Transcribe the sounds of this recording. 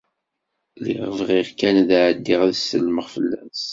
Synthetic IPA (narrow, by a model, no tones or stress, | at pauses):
lḭʁəvʁiʁkænðʕəd̪ːiʁðsəlːməʁfəlːæs